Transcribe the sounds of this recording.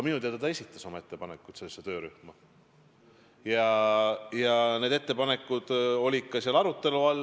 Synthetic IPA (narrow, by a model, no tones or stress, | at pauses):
ɑminut̪eɑd̪et̪ɑe̞sit̪ˑːɑso̞mɑe̞t̪ːepɑnekːˑut̪selːesːet̪ø̞ːɾyhmɑ | jɑ | jɑne̞d̪e̞t̪ːe̞pɑne̞kːˑud̪̥o̞lʲi̥kːɑsiɑlɑɾut̪ːˑe̞luɑlː